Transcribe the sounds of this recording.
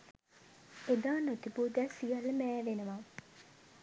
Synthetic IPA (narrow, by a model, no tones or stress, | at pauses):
ed̪aːnot̪ipuːd̪æsijɐlːəmæːʋenəʋa